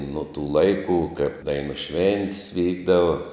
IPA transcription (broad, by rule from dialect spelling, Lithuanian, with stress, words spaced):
nuɔ tuː ˈlˠɐɪkuː kɐɪp ˈdɐɪnuː ˈʃʲʋʲɛnʲtʲɪs ˈʋʲiːɡdɐʋɐ